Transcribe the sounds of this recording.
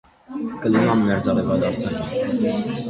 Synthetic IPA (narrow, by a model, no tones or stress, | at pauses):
kəlinɑnːɛɾt͡s̪ɑɾivɑd̪ɑɾt͡sʰə